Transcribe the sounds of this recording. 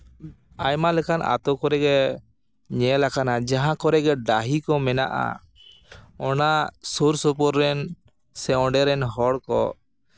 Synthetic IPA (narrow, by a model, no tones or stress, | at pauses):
ajmalɛkana̰t̪ɔkɔɾɛɡɛ | ɲɛlakanad͡ʒaɦãkɔɾɛɡɛɖaɦikɔmɛna̰ʔa̰ | ɔnasuɾsɔpɔɾːɛn | sɛɔ̃ɖɛɾɛnɦɔɽkɔ̰